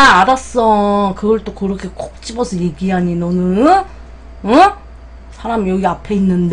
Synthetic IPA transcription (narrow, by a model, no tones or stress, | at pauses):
aaɾas͈ʌkɯɡʌɭt͈okɯɾʌkʰe̞k͈ok̚t͡ɕ͈ibʌsʰʌje̞ɡiɦaɲinʌnɯ | ʌ | sʰaɾamijʌɡiapʰe̞inːɯnde